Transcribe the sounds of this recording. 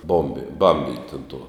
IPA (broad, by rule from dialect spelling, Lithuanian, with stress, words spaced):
ˈboːmʲbʲɪ ˈbɐmʲbʲɪnʲtʲ ʊn tuɔ